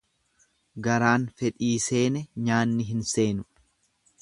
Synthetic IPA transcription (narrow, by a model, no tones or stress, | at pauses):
ɡɐɾaːnfɛᶑiːse̞ːnɛɲaːnːɪɦɪnse̞ːnʊ̥